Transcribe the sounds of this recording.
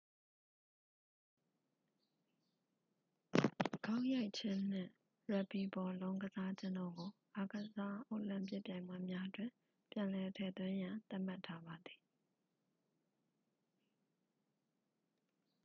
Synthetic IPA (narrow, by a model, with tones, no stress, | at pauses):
ɡ̥a˦ʊʔja˦ɪʔt͡ɕʰɪ̃˦n̥ɪ̰̃˦˨ | ɹɛ˨pi˨bɔ˨lõ˦ʊ̃ŋɡəza˦d͡ʑɪ̃˦ndɔ˦˨ɡo˨ʔa˨ɡə˨za˦ʔo˦ʊʔlɪ̃˦˨mpjɪ˦ʔpjã˨ɪ̃mwa˦˨mja˦ʔətwɪ̃˨ | pjã˨lɛ˨tʰɛ̰˨t̪wɪ̃˦jã˨nt̪a˦ʔm̥a˦tʰa˦ba˨d̪ði˨